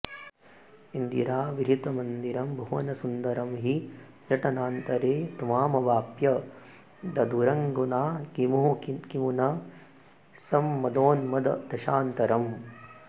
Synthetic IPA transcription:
ind̪iɾaːʋiɾit̪ɐmɐnd̪iɾɐmbʱɐʋɐnɐsund̪ɐɾɐmɦi | jɐʈɐnaːnt̪ɐɾeːt̪umaːmɐʋaːpjɐ | d̪ɐd̪uɾɐŋɡunaːkimuɦukikimunɐ | sɐmːɐd̪oːnmɐd̪ɐd̪ɐʃaːnt̪ɐɾɐm

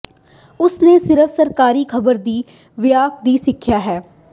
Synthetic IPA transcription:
ʊsneːsɪɾəfsəɾkaːɾiːkʰəbəɾd̪iː | ʋɪjaːk̚d̪iːsɪkʰːjaːɦɛː

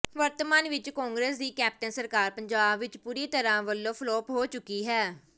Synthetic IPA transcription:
ʋəɾt̪maːnʋɪt͡ʃkɔːŋɡɾeːsd̪iːkɛːp̚ʈənsəɾkaːɾpəɲd͡ʒaːbʋɪt͡ʃpuːɾiːt̪əɾãːʋəlːõːpʰlɔːpɦoːt͡ʃʊkːiːɦɛː

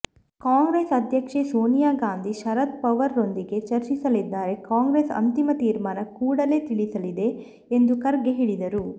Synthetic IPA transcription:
kaːŋɡɾeːsɐd̪ʱjɐkʂesoːnijaːɡaːnd̪ʱiʃɐɾɐt̪̚pɐʋɐɾːo̞nd̪iɡe̞t͡ʃɐɾt͡ʃisɐlid̪ːaːɾe̞kaːŋɡɾeːsɐ̰nt̪imɐt̪iːɾmaːnɐkuːɽɐle̞ːt̪iɭisɐlid̪e̞ː | nd̪ukɐɾɡeɦiɽid̪ɐɾu

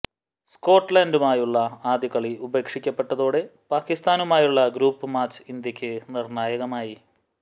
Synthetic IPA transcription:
sko̞ːʈːlɐndumaːjuɭːɐaːd̪ikɐɭiʔubeːkʂikʲːɐpːe̞ʈːɐðoːɽe̞paːkist̪aːnumaːjuɭːɐɡɾuːpːɨmaːt͡ɕind̪jɐkʲːɨnirnaːjɐɣɐmaːji

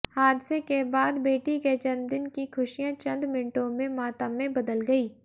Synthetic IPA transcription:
haːd̪sekebaːd̪beːʈiket͡ʃɐnd̪ɪnkikʰʊʃijãt͡ʃɐ̃nd̪mɪnʈõmẽmaːt̪amẽbɐd̪əlɡɐiː

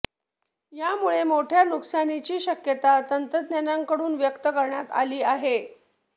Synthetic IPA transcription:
jamuɭemoʈʰjanuksanit͡ɕiːɕəkjət̪at̪ənt̪ɾəd̪njanaŋkəɽuːnʋjəkt̪əkəɾɳjat̪a̰liːaɦe

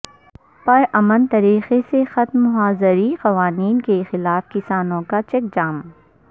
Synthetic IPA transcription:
pɐɾɐmənt̪ɐɾiːxesexɐt̪mʊɦaːzəɾiqɐʋaːniːnkexɪlaːfkɪsaːnõkat͡ʃɛk̚d͡ʒaːm

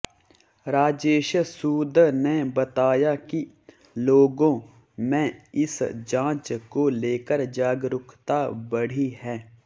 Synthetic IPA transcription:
ɾaːd͡ʒeːʃsuːd̪ʱnebət̪aːjaki | loːɡõ | mɛ̃ɪsd͡ʒãːt͡ʃkoleːkəɾd͡ʒaːɡɾʊkʰt̪abəɽ̤iɦɛ̃ː

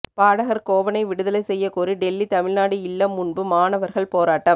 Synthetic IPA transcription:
paːɽɐɣɐɾkoːʋɐnɐɪʋɪɽɯðɐlɐɪsɛjːɐkoːɾiɖɛlːit̪ɐmɪɭnaːɽiɪlːɐmːʊɳbɯmaːnɐʋɐɾɣɐɭpoːɾaːʈːɐm

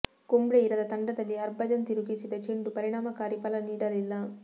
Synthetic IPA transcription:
kombɽeiɾɐd̪ɐt̪ɐɳɖɐd̪ɐlːiɐɾbɐd͡ʒɐnt̪iɾuɡisid̪ɐt͡ʃeɳɖupɐɾiɽaːmɐkaːɾipɐlɐniːɽɐlilːɐ

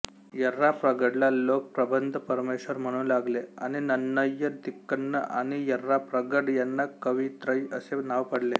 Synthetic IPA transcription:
jəɾːapɾəɡəɽlalok̚pɾəbənd̪ʱəpəɾmeɕʋəɾm̤əɽ̃ũːlaɡlea̰ñinənːəjəd̪ikːənːə̰ʔa̰ɽ̃ijəɾːapɾəɡəɽjanːakəʋit̪ɾəjəsenaʋpəɽle

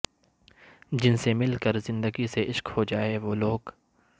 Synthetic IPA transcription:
d͡ʒɪnsemɪlkəɾzɪ̃nd̪əɡiseʔɪʃkhod͡ʒaːeʋoːloːɡ

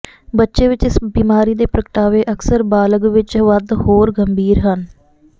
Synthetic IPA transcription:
bətːʃeːʋɪt͡ʃɪsbiːmaːɾiːd̪eːpɾəkʈaːʋeːʔəksəɾbaːləɡʋɪt͡ʃʋəd̪hoːɾɡəmbʱiːɾɦən

